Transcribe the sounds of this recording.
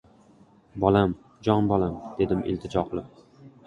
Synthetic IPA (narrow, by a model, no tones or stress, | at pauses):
bɒlam | d͡ʒɒnbɒlamd̪̥e̞d̪ɪmʔɪ̰lt̪ʰɪd͡ʒɒqʰlˠɪp